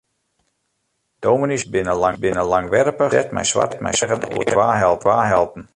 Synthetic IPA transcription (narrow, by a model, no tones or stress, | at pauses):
d̥oːminisbɪnəlabɪnəlaŋʋɛrpəɛtmɛ̰jsʋa̰rtmɛ̰jsɛɣənṵətʋaːɦɛlˠtʋaːɦɛlˠtn̩